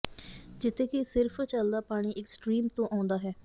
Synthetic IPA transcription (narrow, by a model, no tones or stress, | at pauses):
d͡ʒɪt̪ʰːeːkesɪɾpʰt͡ʃəld̪aːpaːɽ̃iːʔɪksʈɾiːmt̪õːʔãːʊnd̪aːɦɛː